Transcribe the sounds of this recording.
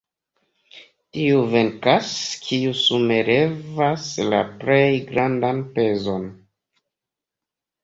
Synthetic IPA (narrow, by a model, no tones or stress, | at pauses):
tiuve̞nkaskʰiusume̞ɾe̞vasla̰ple̞jɡɾandanpe̞zo̞n